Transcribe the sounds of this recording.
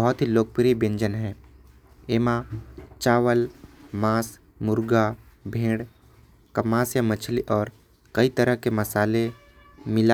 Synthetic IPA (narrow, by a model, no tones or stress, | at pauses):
əɦʊt̪ɦiloːk̚pɾibẽɲd͡ʒənɦɛ̃ː | eːmãt͡ʃaːʋəlmaːs | mʊɾɡabʱẽːɽ | kɐmaːsjamət͡ʃʰliʔɔːɾ | kɐit̪əɾəɦkeməsaːle | mɪla